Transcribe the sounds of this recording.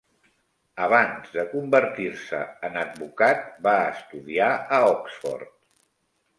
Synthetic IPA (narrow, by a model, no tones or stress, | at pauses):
əβ̞anzðəkumbəɾt̪iɾsə̰ənəd̪̚bukat̪̚baəst̪uðiaəɔksfɔ̰rt̪̚